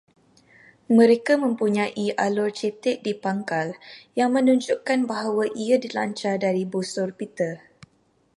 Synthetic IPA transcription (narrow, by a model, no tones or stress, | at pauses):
mə̃ɾekamə̃mpuɲãʔiʔalɔrt͡ʃɛt̪ɪʔ̚dipaŋkaljaŋmə̃nuɲd͡ʒuʔkanbaɦawaʔiadila̰ɲt͡ʃadaɾibusʊrpit̪ə